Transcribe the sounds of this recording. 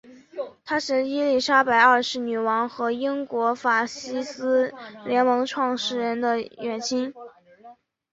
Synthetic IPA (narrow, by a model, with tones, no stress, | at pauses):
t̪ʰa˥ʂɻ̩˥˧i˥li˥˩ʂa˥pa˧˩ɪə˞˥˧ʂɻ̩˥˩ny˨˩wɑ˧˥ŋxɤ˧˥i˥ŋkwɔ˧˥fa˨˩ɕi˥sɹ̩˥ljɛ˧˥nmɤ˧˥ŋʈ͡ʂʰwɑ˥˧ŋʂɻ̩˥˩ɻə˧˥nd̪ə˧jɥɛ˨˩nt͡ɕʰi˥ŋ